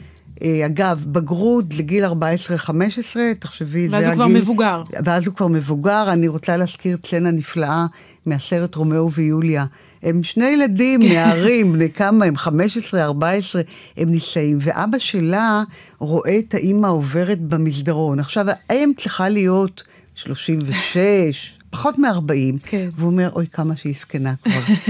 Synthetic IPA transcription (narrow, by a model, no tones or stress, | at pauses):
ʔeaɡavbaɡʁudleɡilaʁbaesʁeχame̞ʃesʁe̞taχʃevizeɡvaʁimevuɡaʁveazhukvaʁme̞vuɡaʁaniʁot͡saleaskiʁt͡slenaniflaʔa | measeʁetʁo̞meuvejulja | he̞mʃne̞jeladimneaʁimbnejkamaemχame̞ʃesʁeaʁbaesʁe̞hemnisaimve̞ʔa̰baʃe̞laʁo̞ʔe̞taʔimaove̞ʁetbamizdaʁo̞naχʃavaemt͡sliχalijo̞t | ʃlo̞ʃimveʃeʃ | pḁχo̞tmeaʁbaimveuome̞ʁʔo̞jkamaʃeiskenakvaʁ